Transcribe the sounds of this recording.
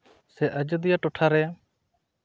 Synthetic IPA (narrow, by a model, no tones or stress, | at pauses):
sɛʔəd͡ʒəd̪ɪjaʈoʈʰaɾɛ